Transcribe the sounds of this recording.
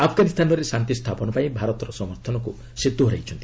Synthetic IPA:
apʰɡanist̪ʰanɔɾesant̪ist̪ʰapɔnɔpaĩbʱaɾɔt̪ɔɾɔsɔmɔɾt̪ʰɔnɔku | sit̪ːuɦɔɾa̰jt͡ʃʰɔnt̪i

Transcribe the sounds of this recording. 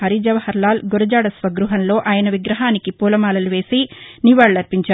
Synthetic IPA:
ɐɾid͡ʒɐʋɐhɐɾlaːlɡoɾɐd͡ʒaːɽɐsʋɐɡɾuɦɐnlo̞ːʔaːjɐnɐʋiɡɾɐɦaːnikipuːlɐmaːlɐluʋe̞ːsiniʋaːɭlɐɾpiɲt͡ʃaː

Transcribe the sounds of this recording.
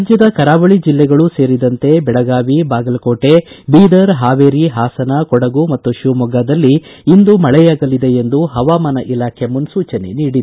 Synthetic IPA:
d͡ʒjɐd̪ɐkɐɾaːʋɐɭid͡ʒilːɛɡɐɭuse̞ːɾid̪ɐnt̪e̞bɛɭɐɡaːʋibaːɡɐlkoːʈe̞biːd̪ɐɾɦaːʋeːɾiɦaːsɐnɐkɔɽɐɡumɐt̪ːuʃumɔɡaːd̪ɐlːiːnd̪umɐɭɛjaːɡɐlid̪e̞end̪uɦɐʋaːmɐnɐʔilaːkʰe̞munsuːt͡ʃɐne̞̰niːɽid̪

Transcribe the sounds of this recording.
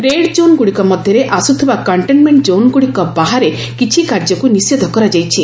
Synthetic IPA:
ɾeɽd͡ʒonɡuɽikɔmɔd̪ʱjɔɾeʔasut̪ʰibakɔɳʈenmeɳʈd͡ʒonɡuɽikɔbaɦaɾe | kit͡ʃʰikaɾd͡ʒɔkunised̪ʱɔkɔɾad͡ʒajt͡ʃʰi

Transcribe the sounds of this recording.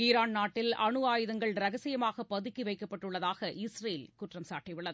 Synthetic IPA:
iːɾaːnnaːʈːɪlɐɳɯaːjɯðɐŋɡɐɭɾɐɣɐsɪjɐmaːɣɐpːɐðɯkːiʋɐɪkːɐpːɐʈːɯɭːɐðaːɣɐʔɪsɾɐjɪlkʊʈrɐmsaːʈːiʋɯɭːɐðɯ

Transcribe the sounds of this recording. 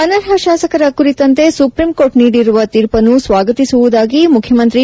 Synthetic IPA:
ɐnɐɾɦɐʃaːsɐkɐɾɐkuɾit̪ɐnt̪e̞supɾimkoːʈniːɽiɾuʋɐt̪iːɾpɐnusʋaːɡɐt̪isuʋud̪aːɡimukʰjɐmɐnt̪ɾi

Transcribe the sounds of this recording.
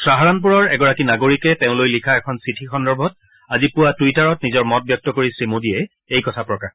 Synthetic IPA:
sɹaɦaɹanp̬uɹɔɹɛɡɔɹakinaɡoɹikɛtẽʊ̃lojlikʰaɛkʰɔnsitʰixɔndɔɹbʱɔt̚ | azipʊwatuitaɹɔtnizɔɹmɔt̚bjɔk̚tɔkoɹisɹimodiɛ | ejkɔtʰapɹɔkax

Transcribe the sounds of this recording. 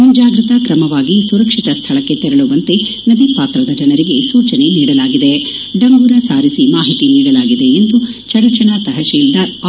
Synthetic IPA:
ud͡ʒaːɡɾit̪ɐkɾɐmɐʋaːɡisuɾɐkʂit̪ɐst̪ʰɐɭɐkːe̞t̪ɛɾɐɭuʋɐnt̪enɐd̪ipaːt̪ɾɐd̪ɐd͡ʒɐnɐɾiɡe̞suːt͡ʃɐne̞niːɽɐlaːɡid̪eɖɐŋɡuːɾɐsaːɾisimaːɦit̪iniːɽɐlaːɡid̪e̞ːnd̪ut͡ʃɐɽɐt͡ʃɐnat̪ɐɦɐʃiːld̪aɾ

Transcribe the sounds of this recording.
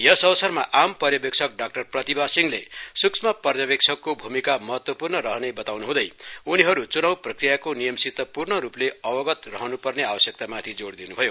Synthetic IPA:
jʌsʌwsʌrmaʔampʌrjʌbek̚t͡sʰʌk̚ɖak̚ʈʌrprʌt̪ibasiŋlḛsuksʰmʌpʌrjʌbek̚t͡sʰʌkːobʱumikamʌɦʌt̪wʌpurnʌɾʌɦʌnebʌt̪awnuɦũd̪ʌjuniɦʌɾut͡sunawprʌkrijakonijʌmsit̪ːʌpurnʌɾupleʌbʌɡʌt̪rʌɦʌnupʌrneabʌsjʌk̚t̪amat̪ʰid͡zoɽd̪inubʱʌjo

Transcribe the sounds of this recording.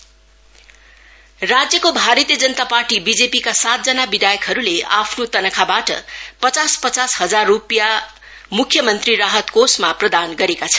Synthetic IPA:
rad͡zjʌkobʱaɾʌt̪ijʌd͡zʌnt̪aparʈibid͡zepikasat̪̚d͡zʌnabid̪ʱajʌkɦʌɾulea̰pʰnot̪ʌnʌkʰabaʈʌ̰pʌt͡saspʌt͡sasɦʌd͡zarːupja | mukʰːjʌmʌnt̪riɾaɦʌt̪kosmaprʌd̪anɡʌɾekat͡sʰʌ̥

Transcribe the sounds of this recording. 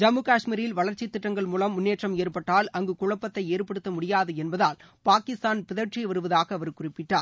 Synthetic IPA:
d͡ʒɐmɯkaːʂmiːɾɪlʋɐɭɐɾt͡ʃːit̪ːɪʈːɐŋɡɐɭmuːlɐmːʊnːeːʈrɐmeːrpɐʈːaːlɐŋɡɯkʊɻɐpːɐt̪ːɐɪeːɾpɐɽɯt̪ːɐmʊɽɪjaːðɯɛnbɐðaːl | paːkɪst̪aːnpɪðɐɾʈt͡ʃːiʋɐɾɯʋɐðaːɣɐːʋɐɾɯkːʊrɪpːɪʈːaːɾ

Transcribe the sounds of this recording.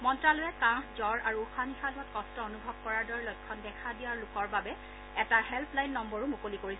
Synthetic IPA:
mɔntɹalojɛkãxzɔɹʔaɹuːxanixalʊɔtkɔstɔonubʱɔb̚kɔɹaɹdɔɹɛlɔjkʰːɔndɛkʰadijaɹlʊkɔɹbabɛ | ɛtahɛlpʰlajnːɔmbɔɹʊmukolikoɹisɛ

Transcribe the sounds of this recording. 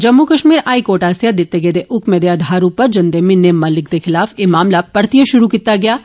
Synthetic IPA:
d͡ʒɐmːukɐʃmiːɾaːikoːɾʈaːsjad̪ɪt̪ːeɡeːd̪eʔʊkmẽd̪ejad̪ʱaːɾũpɐɾd͡ʒɐ̃nd̪emɪnːemɐlɪk̚d̪exʰɪlaːfeːmaːmlapɐɽt̪ijəʃʊɾukit̪aɡɐjaː

